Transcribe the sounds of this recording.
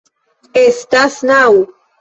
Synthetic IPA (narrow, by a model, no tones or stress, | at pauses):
est̪asnaw